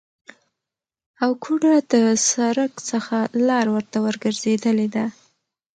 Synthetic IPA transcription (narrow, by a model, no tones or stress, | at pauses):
awkʰuɖad̪əsaɾəkt͡səxalɑɾwəɾt̪awəɾɡəɾz̥ed̪əled̪a